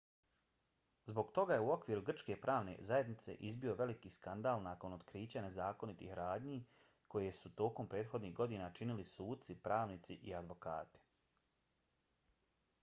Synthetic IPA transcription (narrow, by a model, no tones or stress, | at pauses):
zbo̞ɡt̪o̞ɡajeuo̞kʋiːɾuɡr̩t͡ʃke̞pɾʔaːʋne̞̰zajed̪nit̪se̞̰ʔizbio̞ʋe̞likiːskand̪aːlˠnaːko̞nod̪kɾiːt͡ɕane̞zaːko̞nit̪ḭːxɾaːd̪ɲi | ko̞jesut̪o̞ːko̞mpɾe̞ːd̪xo̞d̪niːɦɡo̞d̪inat͡ʃinilisuːd̪̚t̪sipɾaːʋnit̪siʔiad̪ʋo̞ka̰ːt̪i̥